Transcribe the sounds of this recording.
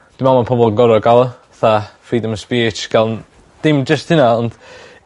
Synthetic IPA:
d̥ɪmamapʰɔbɔlˠŋɡɔɾɔɡalˠə | θafriːdəməspit͡ʃɡ̥ɛlˠn | d̥ɪmd͡ʒəstɪnaɔnd̥

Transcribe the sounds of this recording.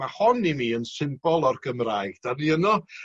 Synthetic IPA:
mahɔnimiːənsɪmb̥ɔlˠɔrɡəmraːjɡ̥d̥aniənɔ

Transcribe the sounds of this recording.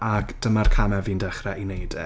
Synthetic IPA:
akd̥əmarkʰamɛvindəχrɛʔinejdɪ̰

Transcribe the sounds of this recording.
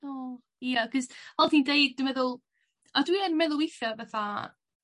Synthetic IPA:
ɔː | iakʰɔsvɛlˠtʰindejd̚dwmvɛðʊlˠ | adwiənmɛðʊlˠwijθɔvaθa

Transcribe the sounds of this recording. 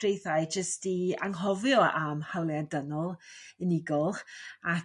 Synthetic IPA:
d̥rejθajd͡ʒəstia̰ŋɦɔvjɔamhawlˠjadənɔlˠənɪɡɔlˠχa

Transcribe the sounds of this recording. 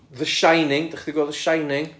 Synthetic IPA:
ðəʃajnɪŋd̥aχðiɡɔːðəʃajnɪŋ

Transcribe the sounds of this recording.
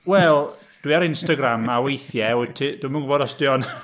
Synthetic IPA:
wɛlˠ | d̥wiaɾɪnstaɡramawejθjɛʊtʰɪd̥umunɡubɔdɔsdɪɔn

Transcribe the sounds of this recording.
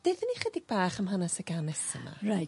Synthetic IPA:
d̥eθəniχɛdɪɡ̚baːχəmɦanasəɡanɛsəma̰raj

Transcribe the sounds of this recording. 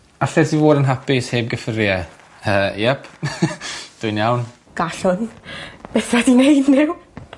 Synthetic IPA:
aɬɛsivoːdənɦapɪsheːb̚ɡəfərjɛ | əːjɛpʰ | d̥ʊɨnjawn | ɡ̥aɬʊnb̥ɛθadinejdnɪw

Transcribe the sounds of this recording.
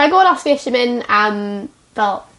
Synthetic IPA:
aɡoːnɔsviɛʃɪmɪnəm | vɛlˠ

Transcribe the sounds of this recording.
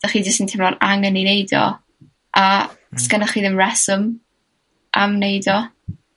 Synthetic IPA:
d̥aχiːd͡ʒəstintʰɪmlɔdaŋəninejdɔ̰ | ʔaskanaχiːðɪmrɛsəm | ʔamnejdɔ

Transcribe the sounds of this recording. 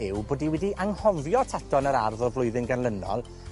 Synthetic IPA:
ɪwboːdiwɛdiʔaŋhɔvjɔtʰadɔnəɾarðɔvlʊɨðɪnɡanlˠənɔ̰lˠ

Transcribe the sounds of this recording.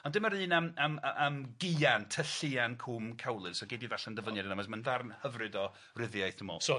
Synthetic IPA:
ɔndɪmaɾɨːnaməməmɡɪantʰəɬɪankʰumkʰawlˠɨð̥sɔɡɛdivɛɬəndəvənjadənaməzmənðarnhəvrɨdɔ | rɪðjajθəmɔ̰sɔ

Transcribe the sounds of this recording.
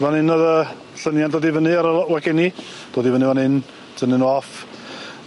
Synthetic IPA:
vɔnhɪnɔðə | ɬənjandoːdivənɨaɾəwɛɡɪni | d̥oːdivənɨvɔnhɪn | tʰənɨnɔɔf

